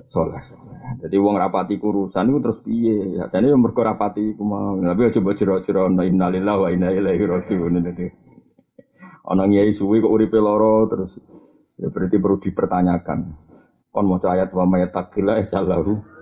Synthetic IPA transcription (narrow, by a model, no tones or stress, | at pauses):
sola̰hsolad͡ʒad̪iwaŋɾapat̪ikuɾusanikut̪əɾʊspiea̰sanijamərɡ̥ɔɾapat̪ikumat̪ap̬iɔd̥d͡ʒ̥ɔbɔ̥d͡ʒ̥əɾɔd͡ʒəɾɔnɔinalilawainailaiɾɔd͡ʒuunidad̪i | ɔ̰nɔŋijaisuwekɔʔuɾipelɔɾɔt̪əɾʊs | ja̰bəɾit̪ipəɾud̪̥i̤pərt̪aɲaka̰n | pɔnmɔt͡ʃɔajat̪̚wamajat̪ːakilaɛt͡ʃalaku